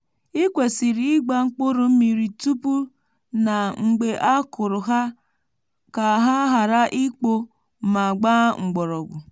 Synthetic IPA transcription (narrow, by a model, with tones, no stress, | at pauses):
i˦kʷe˨si˨ɾi˦i˦ɡ͡ba˦ŋ͡m̩˦k͡po˦ɾo˨˦m̩˦mi˨ɾi˨tu˦pu˦ | na˨ŋ̩˨ɡ͡be˨ʔa˦kʊ˨ɾʊ˨ɦa˦ | ka˨ɦa˦ɦa˨ɾa˦ʔi˦k͡po˦˨ | ma˨ɡ͡ba˦ŋ̩˨ɡ͡bɔ˨ɾɔ˨ɡʷʊ˨